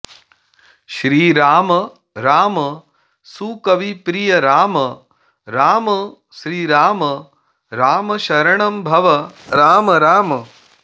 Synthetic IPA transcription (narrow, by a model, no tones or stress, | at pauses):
ʃɾiːɾaːmɐ | ɾaːmɐ | sukɐʋipɾijɐɾaːmɐ | ɾaːmɐ | ʃɾiːɾaːmɐ | ɾaːmɐʃɐɾɐɳɐmbʱɐʋɐɾaːmɐɾaːmɐ